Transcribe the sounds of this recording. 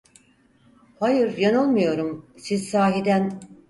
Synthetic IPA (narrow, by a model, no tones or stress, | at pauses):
hajɯɾjano̞lˠmujo̞ɾumsizsaːɦid̪æn